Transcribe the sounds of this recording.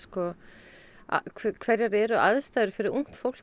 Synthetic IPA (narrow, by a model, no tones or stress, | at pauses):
skɔ | a̰kʰkʰvɛɾjaɾɛɾʏaðst̪aːðɾʏfɪɾɪuŋ̥t̪fowl̥